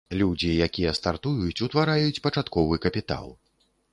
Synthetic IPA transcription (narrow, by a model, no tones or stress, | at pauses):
lʲud͡zʲijakʲijɛst̪art̪ujut͡sʲut̪vaɾajut͡sʲpɐt͡ʂat̪kɔvɨkɐpʲit̪a̰lˠ